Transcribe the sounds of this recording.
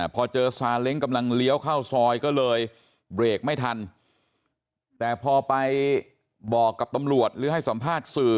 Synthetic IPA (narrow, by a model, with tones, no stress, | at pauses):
pʰɔː˧t͡ɕɤː˧saː˧le˦˥ŋka˧mla˧ŋli˦˥əwkʰa˥˩wsɔː˧jkɔː˥˩lɤː˧j | bɾeː˨˩k̚ma˥˩jt̪ʰa˧n | t̪ɛː˨˩pʰɔː˧pa˧j | bɔː˨˩kːa˨˩p̚t̪a˧mɾu˨˩ət̪̚ɾɯː˨˦ha˥˩jsa˩˦mpʰaː˥˩t̪̚sɯː˨˩